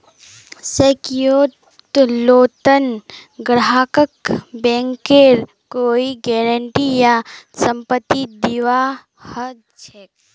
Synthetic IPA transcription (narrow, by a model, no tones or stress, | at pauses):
sekjoː | t̪loːt̪ənɡɾaːkəkbɛ̃ːŋkeɾ | koːiɡɛːɾəɳʈijasə̃mpət̪ːid̪iʋa | hə | t͡ʃʰek